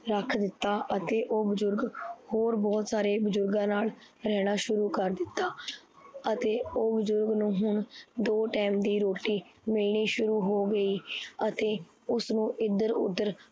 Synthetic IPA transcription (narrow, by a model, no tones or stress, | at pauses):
ɾəkʰd̪ɪt̪ːaːʔət̪eːʔoːbʊzʊɾɡhoːɾbɔːt̪saːɾeːbəzʊɾɡãːnaːl | ɾɛːɽ̃aːʃʊɾuːkəɾd̪ɪt̪ːaː | ət̪eːoːbʊzʊɾɡnũːɦʊɳd̪oːʈɛːmd̪iːɾoːʈiːmɪlɳiːʃʊɾuːɦoːɡəiːət̪eː | ʊsnũːʔɪd̪əɾʊ̰d̪ːəɾ